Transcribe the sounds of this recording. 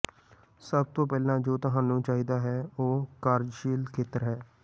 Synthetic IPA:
səb̚t̪õːpɛːlãːd͡ʒoːt̪əɦãːnũːt͡ʃaːɦiːd̪aːɦɛːoːkaːɾʃiːlkʰeːt̪əɾɦɛː

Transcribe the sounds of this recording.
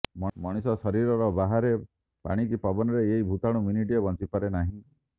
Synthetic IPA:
mɔɽ̃isɔsɔɾiɾɔɾɔbaɦaɾe | pa̰ɽ̃ikipabɔnɔɾeeɦibʱut̪aɽ̃uminiʈijɔbɔnt͡ʃipaɾenaɦĩ

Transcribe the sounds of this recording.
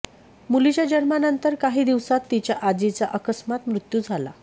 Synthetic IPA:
mulit͡ɕjad͡ʑənmanənt̪əɾkaɦiːd̪iʋsat̪ːit͡ɕjaʔad͡ʑit͡saʔəkəsmat̪mɾut̪jud͡zʱala̰

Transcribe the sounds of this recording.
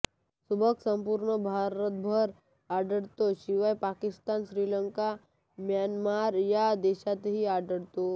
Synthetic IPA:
subʱəksəmpuːɾɳəbʱaɾət̪̚bʱəɾ | aɖəɽt̪oɕiʋajpakist̪anɕɾiːləŋka | mjanmaɾjad̪eʃat̪ɦiaɖəɽt̪o

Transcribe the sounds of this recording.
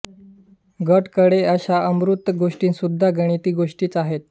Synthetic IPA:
ɡəʈkəɽeəɕaʔəmɾut̪ːɡoʂʈiːnsud̪ʱːaɡəɽ̃it̪iːɡoʂʈiːt͡saɦet̪̚

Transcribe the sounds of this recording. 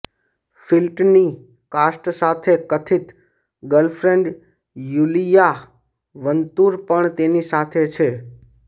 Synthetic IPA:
filʈni | kasʈsat̪ʰekət̪ʰit̪ | ɡəlfʰɾeɳɖ | julija | ʋənt̪uɾpəɳt̪enisat̪ʰet͡ʃʰe

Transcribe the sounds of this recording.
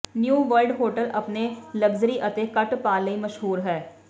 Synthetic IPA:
njũːʋəɾɖɦoːɾʈəlʔɐpnelɐɡzɾiʔɐt̪ekɐʈpaːləimɐʃɦuːɾɦɛː

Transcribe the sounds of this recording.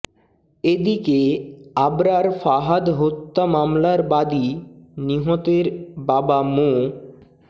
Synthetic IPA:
ed̪ikeabɾaɾfaɦad̪ɦot̪ːamamlaɾbad̪iniɦot̪eɾbabamo

